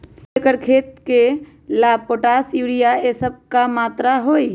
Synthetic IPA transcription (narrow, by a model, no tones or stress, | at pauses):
ekəɾkʰeːt̪̚ke | laːb̚poːʈaːsjuːɽijaeːsəb̚kamaːt̪ɾaɦoːi